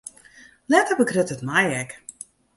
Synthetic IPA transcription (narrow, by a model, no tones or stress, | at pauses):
lɛtəbəkrøtətmajɛk